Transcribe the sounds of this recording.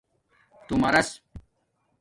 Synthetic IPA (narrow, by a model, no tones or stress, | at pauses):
t̪umɐɾɐs